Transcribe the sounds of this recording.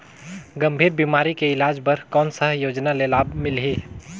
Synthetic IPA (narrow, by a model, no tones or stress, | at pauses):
ɡəmbʱiːɾbimaːɾikeɪlaːd͡ʒbəɾkɔːnsəɦjoːd͡ʒnalelaːbmɪlɦi